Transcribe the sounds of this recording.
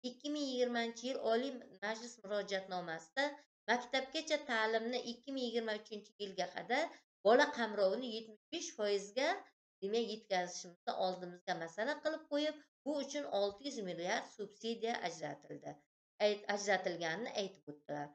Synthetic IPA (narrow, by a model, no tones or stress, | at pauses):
ɪkʲːɪmɪŋjɪɡʲɪɾmaɪnt͡ʃʰɪjɪlɒlimad͡ʒlɪsmʊɾɒd͡ʒat̪nɒmasɪd̪a | makʲt̪ap̚ɡʲat͡ʃʰat̪ʰaːlɪmnɪʔɪkʲʰːɪmɪŋjɪɡʲɪɾmaʊt͡ʃʰɪnt͡ʃʰɪjɪlɡʲaqʰɑd̪aɾ | b̥ɒlaqʰɑmɾɒwnɪje̞t̪mɪʃbeʃfɒjɪzɡʲa | d̪̥emajːe̞t̪kʲazɪʃɪmɪznɪ̰ʔɒlˠd̪ɪmɪzɡʲamasalaqɨlˠɪp̚qʰojɪp̚ | bʊʊt͡ʃʰʊnɒlˠt̪ʰɪjʊzmilːiaɾd̪subsid̪ijaʔd͡ʒld̪ɪ | ad͡ʒɾat̪ɪlɡʲanɪnɪ̰ʔajt̪ʰɪ̥pot̪ːɪlaɾ